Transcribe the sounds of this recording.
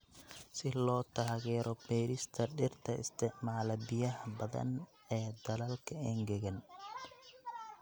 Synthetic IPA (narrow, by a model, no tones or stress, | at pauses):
sɪlɔːt̪ʰaːɣɛːɾɔbɛːɾɪst̪ʰɐɖɪrt̪ʰɐɪ̰st̪ʰɪʕmaːlɐbɪjɐɦɐbɐðɐ̰n | ɛːd̪ɐlɐlkʰɐɛːŋɡɐɣɐn